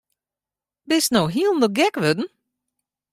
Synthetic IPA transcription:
bɪsnowɦiəlˠn̩dəɡɛkʋødn̩

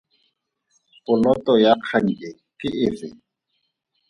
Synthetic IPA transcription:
pʊlɔtɔjaq͡χʰan̩lɛ | kɪʔɪfɪ̰

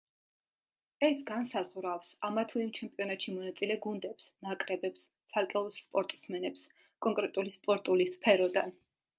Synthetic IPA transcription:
ɛsɡansazʁɾafsamat̪ʰuimt͡ʃʰɛmpʼiɔnat̪ʃimɔnat̪sʼilɛɡund̪ɛpsnakʼɾɛbɛps | t̪sʰaɾkʼɛulˠspʼɔɾt̪ʼsmɛnɛps | kʼɔŋkʼɾɛt̪ʼulispʼɔɾt̪ʼulispʰɛɾɔd̪an

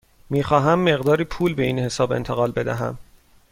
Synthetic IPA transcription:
miːxɒːɦæmːe̞ɣd̪ɒːɾiːpʰuːlbe̞iːnhe̞sɒːbe̞̰nt̪ʰe̞ɣɒːlbe̞d̪æ̰ɦæ̰m

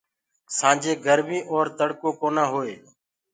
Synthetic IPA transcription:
sãːd͡ʒeːɡʱəɾmĩːʔoːɾt̪əɽkõːkoːnãːɦoːeː

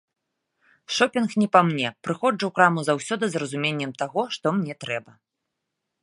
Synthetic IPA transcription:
ʂɔpʲinxnʲɛpamnʲɛpɾɨxɔd͡ʐɐwkɾamuzawsʲɔd̪ɨzrɐzumʲenʲːɛmt̪aɣɔʂt̪ɔmnʲɛt̪ɾɛbɐ

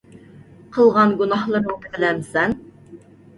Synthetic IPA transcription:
qʰəlˠʁɑnɡunɑhlˠəɾəŋt̪ʰətlɛmsɛn

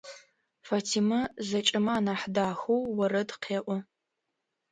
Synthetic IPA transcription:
fatʰimɐzɐt͡ʃʼɪmɐaːnaːħdaːxowwɐɾɐdqʰeːʔʷɔ

